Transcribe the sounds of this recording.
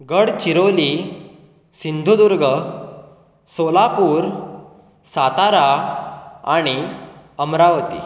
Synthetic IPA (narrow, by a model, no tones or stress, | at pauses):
ɡəɽt͡ɕiɾoli | sind̪ʱud̪uɾɡə | solapuːɾ | sat̪aɾa | aɽ̃iəmɾaʋt̪ḭ